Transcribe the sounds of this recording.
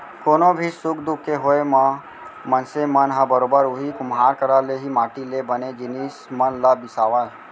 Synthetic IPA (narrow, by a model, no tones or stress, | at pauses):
konobʱisʊkd̪ukːeɦoemã | mənsemənɦãbəɾobəɾuɦikʊmɦaɾkəɾaleɦimaːʈilebəned͡ʒinismənlabɪsaʋae